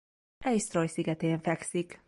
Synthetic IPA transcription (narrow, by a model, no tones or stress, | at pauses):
ʔɛjst̪rojsiɡɛt̪eːɱfɛksik